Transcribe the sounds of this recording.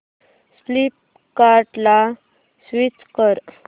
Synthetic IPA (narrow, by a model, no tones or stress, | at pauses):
slip̚ | kaɾʈla | sʋit͡skəɾ